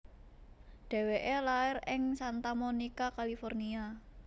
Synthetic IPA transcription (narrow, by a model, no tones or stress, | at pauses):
ɖ̥ɛ̤weʔelaɪrɪŋsant̪amonikakalifɔrnia